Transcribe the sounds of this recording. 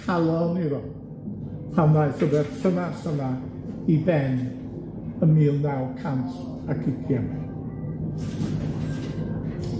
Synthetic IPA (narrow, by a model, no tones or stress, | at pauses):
kʰalˠɔnɪðɔ | pʰanðajθəbɛðtʰənasəna | ibɛn | əmiːlˠnawˠkʰant | akʰɪkʰjam